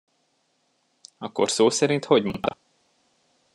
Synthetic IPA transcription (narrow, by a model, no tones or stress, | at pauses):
ɒkːo̞̰rsoːsɛɾint̪ho̞ɟmont̪ɒ